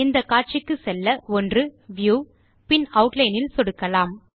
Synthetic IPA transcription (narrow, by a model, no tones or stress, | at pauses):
ɪnd̪ɐkaːʈ̚t͡ʃɪkːɯsɛlːɐɔndrɯʋjuː | pɪnɐʊʈlɐɪnɪlsɔɽɯkːɐlaːm